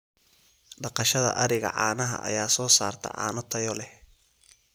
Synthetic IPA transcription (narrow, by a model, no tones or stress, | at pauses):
ɖɑqɑʃɐðɐ̰ʔɐɾɪɣɐ̰ʕɑːnɐɦɐ̰ʔɐ̰jaːsɔːsa̰ːrt̪ʰɐ̰ʕa̰ːnɔt̪ʰɐjɔlɛ